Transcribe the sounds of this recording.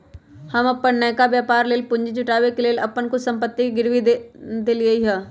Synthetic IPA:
hɐmɐpːənːɛjkaʋjaːpaːɾleːlpʊ̃ɲd͡ʒt͡ʃʰʊʈaːʋekeleːlɐpːənkʊsɐ̃mpət̪ːikiɡɪɾʋid̪eliəiɦɛː

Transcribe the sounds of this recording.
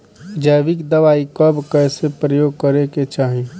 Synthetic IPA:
d͡ʒəjʋɪkd̪əʋaːikəbkɛːsepɾəjoːɡ̚kəɾeket͡ʃaːɦe

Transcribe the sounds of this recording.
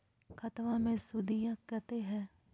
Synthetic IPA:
kʰɐt̪ʋamẽsʊd̪ijãkɛt̪eɦɛ̃ː

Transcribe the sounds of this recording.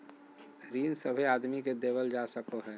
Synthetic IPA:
ɾiːnsəbʱeaːd̪miked̪eːʋəld͡ʒasəkoɦɛː

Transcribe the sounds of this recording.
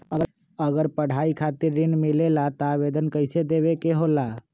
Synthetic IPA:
ə | əɡəɾpəɽ̤aikʰat̪iɾːɪnmilelat̪aʋed̪ənkəɪsed̪eʋekeɦola

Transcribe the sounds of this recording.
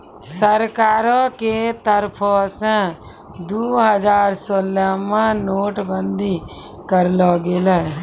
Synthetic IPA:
səɾkaːɾõket̪əɾpʰosɛ̃ | d̪uːɦəd͡ʒaːɾsoːlamãnoːʈbə̃nd̪i | kəɾlɔɡelɛ

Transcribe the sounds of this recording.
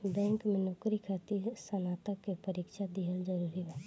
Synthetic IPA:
bɛ̃ːŋkmẽnʊkɾikʰat̪isənaːt̪əkːepəɾiːkʃad̪iɦəld͡ʒəɾuːɾiɦɛː

